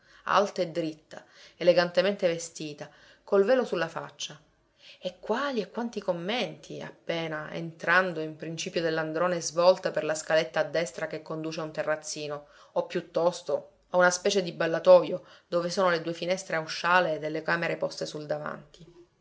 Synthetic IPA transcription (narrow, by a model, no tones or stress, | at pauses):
a̰lt̪aed̪ːɾit̪ːa̰eleɡant̪ement̪evest̪iːt̪a | kolvɛːlosulːafa̰t͡ʃːa | ekːwaːliekːwant̪ikomːent̪ʰia̰pːeːnaʔḛnt̪ɾand̪oimpɾint͡ʃiːpjod̪elːand̪ɾoːnezvɔlt̪aperlaskalet̪ːaːd̪ːɛst̪ɾakekːond̪uːt͡ʃeaunt̪erːat̪sːiːno | opːjut̪ːɔst̪o | aunaspɛːt͡ʃed̪ibalːat̪ɔːjod̪oːvesoːnoled̪uefinɛst̪ɾeawʃːaːled̪elːekaːmeɾepɔst̪esuld̪ava̰nt̪i